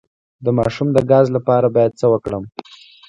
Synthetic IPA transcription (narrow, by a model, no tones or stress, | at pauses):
d̪əmɑʃumd̪əɡɑzlapɑɾabɑjad̪̚t͡səwəkɽəm